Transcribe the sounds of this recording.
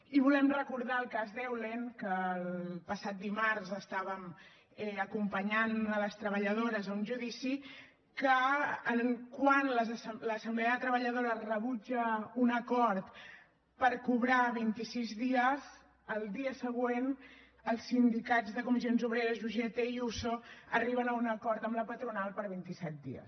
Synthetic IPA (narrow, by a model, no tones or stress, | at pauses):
iβulɛmrəkuɾð̞aəlˠkazðɛwleŋkəːlpəsat̪̚d̪imaɾzəst̪aβəm | ɛəkumpəɲanələst̪ɾəβəʎəð̞oɾəzunʒuðisi | kəːŋkwanləzsləsəmblɛəðət̪ɾəβəʎəðoɾərəβud͡ʒəunəkɔɾt̪ | pəɾkuβɾaβint̪isizðiəz | əlˠd̪iəsəɣ̞wen | əlˠsːind̪ikadzðəkumizionzuβɾeɾəzʒuʒet̪eiusoəriβənəunəkɔɾt̪əmləpət̪ɾunalˠpəɾβint̪isɛt̪̚d̪ḭə̰s